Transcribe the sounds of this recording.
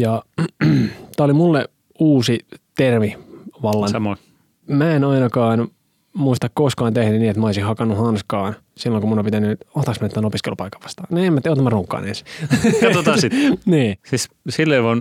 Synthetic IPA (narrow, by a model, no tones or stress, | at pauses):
jɑ | t̪æːolimulːe | uːsit̪erʋiʋɑlːɑɑmo | mæenɑinɑkɑːn | muist̪ɑkkoskɑːnt̪ehnynniːet̪mæoisihhɑkɑnːuhɑnskɑːn | silːoŋkumunopit̪ænyoht̪ɑksmænet̪ːænopiskelupɑikːɑ̥ʋʋɑ̥st̪ɑːneːmːæt̪ːeot̪æmæroːŋkːɑ̰ːnḛnsi̥t̪ot̪ɑsitniːsis | silːeiʋon